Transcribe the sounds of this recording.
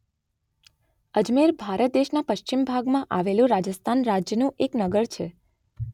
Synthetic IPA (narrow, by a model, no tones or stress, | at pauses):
əd͡ʒmeɾbʱaɾət̪̚d̪eʃnapəʃt͡ʃimbʱaɡmãʔaʋelũɾad͡ʒəst̪ʰanɾad͡ʒjənũʔeknəɡəɭt͡ʃʰe